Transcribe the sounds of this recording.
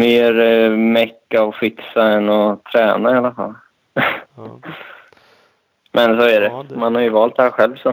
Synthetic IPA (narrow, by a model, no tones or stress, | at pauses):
meːɾmɛkːaɔfɪksaɛnːɔt̪ʰɾɛːnaalafa̰lː | mʔɛns̬oæɖɛmanhaɾjɵvɑːlt̪̚d̪ɛhæːɾɧɛlvsɔ